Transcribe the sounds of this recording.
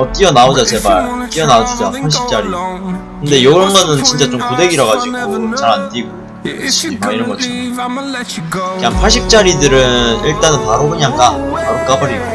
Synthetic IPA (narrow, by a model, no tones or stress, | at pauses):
ʌt͈iʌnaod͡ʑat͡ɕe̞baɭt͈iʌnaod͡ʑud͡ʑapʰaɭɕ̬͈ʰi̥p̚t͡ɕ͈aɾikɯnde̞joɯɾʌnɡʌnɯnt͡ɕint͡ɕ͈at͡ɕ͈omkude̞ɡiɾʌɡad͡ʑiɡot͡ɕʰaɾantiɡo | eɕʰiimaiɾʌnɡʌt͡ɕʰin | kɯɲaŋpʰaɭɕ̬͈ʰip̚t͡ɕ͈aɾidɯɾɯniɭt͈anɯnpaɾohɯɲaŋk͈apaɾok͈abʌɾiɡo